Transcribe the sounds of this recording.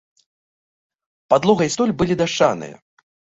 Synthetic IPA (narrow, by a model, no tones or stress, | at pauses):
pad̪lˠɔɣɐjst̪ɔlʲbɨlʲid̪aʂt͡ʂːanɨ̰jɐ̰